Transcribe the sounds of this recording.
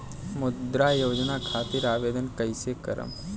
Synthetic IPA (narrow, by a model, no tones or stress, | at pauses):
mʊd̪ɾaːjoːd͡ʒnakʰaːt̪iɾaːʋeːd̪ənkəjsekɐ̰ɾə̰m